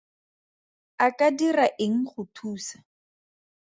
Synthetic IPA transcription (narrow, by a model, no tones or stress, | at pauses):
akʼadiraʔɪŋ̩χʊtʰuːsḁ